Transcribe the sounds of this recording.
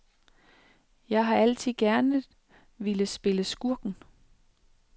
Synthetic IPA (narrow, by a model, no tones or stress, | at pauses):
jɑ̈ɪɦɑ̈æl̰t͡sʰið̰ˠɡ̥æɐnə | ʋeləsb̥e̝ləsɡ̥uɐɡ̥n̩